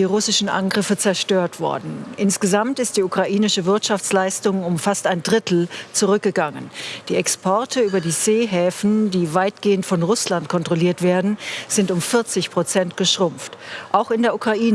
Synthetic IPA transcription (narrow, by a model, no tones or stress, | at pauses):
d̥iːʁʊsɪʃn̩ʔa̰nɡʁɪfət͡sɛɐʃtøːɐtv̥ɔ̰ɐdn̩ʔɪnsɡ̥əzamtɪst̚d̥iːukʁ̥aʔiːnɪʃəvɪɐtʃaft͡slaɪstʊŋʊmfastaɪndʁɪtl̩t͡suʁʏk̚ɡ̥əɡaŋənd̥iːɛkspʰɔɐtʰəyːbɐdiːzeːɦɛːfn̩diːvaɪtɡ̥eːəntfɔnʁʊslantkʰɔntʁ̥oliːɐtv̥eːɐdn̩z̥ɪntʊmfɪɐt͡sɪçpʁ̥ot͡sɛntɡ̥əʃʁ̥ʊmftʔaʊxɪndeːɐʔukʁ̥aʔiːn